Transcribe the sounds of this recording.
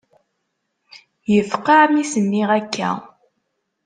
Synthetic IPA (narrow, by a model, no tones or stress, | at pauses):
jəfqɑʕmisənːiʁækːæ̰